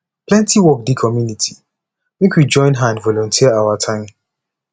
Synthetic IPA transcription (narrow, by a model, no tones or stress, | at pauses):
plɛ̃ntiwɔk̚dikʰɔmjunitʰi | mekwid͡ʒɔ̃ɪ̃nɦãnvɔlɔ̃ntʰiəawatʰãɪ̃m